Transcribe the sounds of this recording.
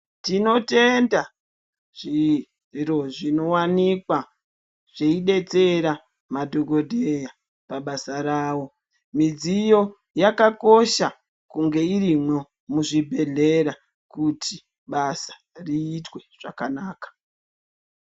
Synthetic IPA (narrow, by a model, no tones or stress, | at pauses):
tino̞te̞nda | ʐ̥i | ro̞ʐino̞wanikwa | ʐ̥eiɗe̞t͡se̞ɾa | madʱo̞ɡo̞dʱeja | paɓasaɾaːwo̞ | mid͡zijo̞ | jakako̞ʃa | kuŋɡe̞irimwo̞ | muʐibʱe̞ɮe̞ɾa | kutʰi | ɓasḁ | riːtwe̞ʐ̥akanaːkḁ